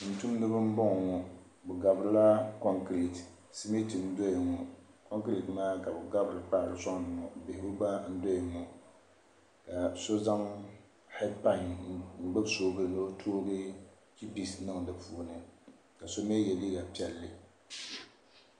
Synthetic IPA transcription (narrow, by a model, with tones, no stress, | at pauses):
n̩˨tu˦m˦dɨ˦bɨ˦m˦bɔ˦ŋ˨ŋɔ˨ | bɛ˨ɡa˨bɾɨ˦la˦kɔ˦ŋkɾi˨t | si˦mi˦tɨ˨n˦do˦jŋɔ˨ko˦ŋki˨tmaː˦ka˨bɨ˨ɡa˦bɨ˨ɾɨ˨k͡pa˦ʔɾɨ˨sɔ˦ŋ˨nɨ˨ŋɔ˨be˨hɪ˨u˦ba˦n̩˦do˦jɪ˨ŋɔ˨ | ka˨so˦za˦ŋ | hɛ˦pa˦ŋŋ͡m̩˨ɡ͡bɨ˦bsoː˦ɡɨ˦˨no˦tʰoː˦ɡɨ˦ | ki˦pi˨snɨ˦ŋ˨dɨ˨bpu˨˦nɨ˨ | ka˨so˦me˦jɛ˨li˦ɡa˨pi˦ɛ˨lːɨ˨